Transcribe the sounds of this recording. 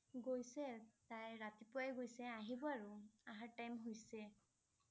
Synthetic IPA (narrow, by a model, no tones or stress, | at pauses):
ɡojsɛtajɹatipʊajɡojsɛaɦibɔaɹuaɦaɹtajmɦojsɛ